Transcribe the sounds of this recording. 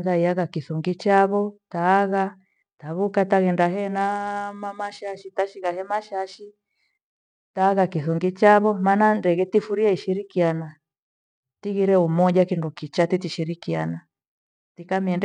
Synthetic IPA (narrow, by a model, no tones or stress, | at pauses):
ŋɡaiaɣakiθuŋɡit͡ʃaβɔtaːɣa | taβukataɣɛndaɦɛnamamaʃaʃitaʃiɣahɛmaʃaʃi | taːɣakiθuŋɡit͡ʃaβɔmanandɛɣɛtifuɾiaiʃiɾikiana | tiɣiɾɛumɔʄakindukit͡ʃatitiʃiɾikia̰na | tikamiɛnd